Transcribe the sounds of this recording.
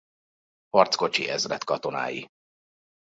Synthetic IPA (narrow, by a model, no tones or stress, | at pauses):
hɒrt̪sko̞t͡ʃiʔɛzrɛt̪kɒt̪o̞na̰ːjḭ